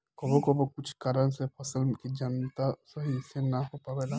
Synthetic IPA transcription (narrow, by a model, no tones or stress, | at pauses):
kɔbokɔbokʊt͡ʃʰkaːɾənsepʰəsəlkid͡ʒənt̪asəɦisenaɦopaʋela